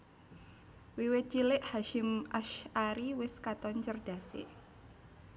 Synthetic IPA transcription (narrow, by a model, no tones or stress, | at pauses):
wiwɪt̪̚t͡ʃilɪʔhaʃɪmʔaʃaɾiwɪskat̪ɔnt͡ʃərd̥a̤sḛ